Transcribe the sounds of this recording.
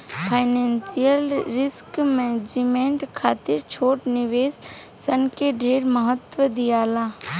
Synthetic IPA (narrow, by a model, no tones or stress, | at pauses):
pʰaːɪnẽːnsijəlɾɪskmẽd͡ʒɪmẽːɳʈkʰaːt̪ɪɾt͡ʃʰoːʈnɪʋeːsː | ənkeɖʱeːɾməɦət̪ʋəd̪ijaːlaː